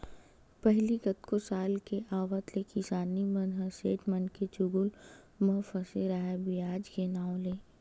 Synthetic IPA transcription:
pɛɦliɡɐt̪kosaːlkeʔaːʋət̪lekisaːnimɐnɦɐseːʈmɐnket͡ʃʊɡʊl | mɐfɐseɾaɦebijaːd͡ʒkenaːõleː

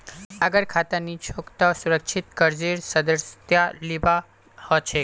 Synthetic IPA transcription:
əɡəɾkʰat̪anit͡ʃʰokt̪ɔsuɾəkʃʰit̪kəɾd͡ziɾsəd̪əɾsjaliba | hɔt͡ʃʰe

